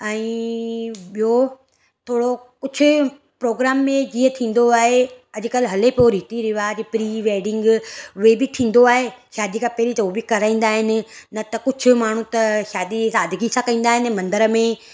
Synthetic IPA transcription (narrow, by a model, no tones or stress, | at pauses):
ɛ̃ː | ɓijo | t̪ʰoːɽokʊd͡ʑʱʊ̆ | pɾoːɡɾaːmːẽd͡ʑiːət̪ʰĩːn̆d̪oaːɦeɐd͡ʑʊ̆kəlɦɐlepoɾiːt̪iɾɪʋaːd͡ʑpɾiʋeːɖɪ̃ŋɡʋeːbɪt̪ʰĩːn̆d̪oaːɦeʃaːd̪ikʰãpɐɦɾit̪oːbikɐɾaːĩːn̆d̪aːɦɪnɪ̆nɐt̪ɐkʊd͡ʑʱʊ̆maːɳ̤ũt̪ɐʃaːd̪isaːd̪ʱɪɡisãkɐ̃ĩːn̆d̪aːɦɪnɪ̆mɐ̃nd̪əɾəmẽ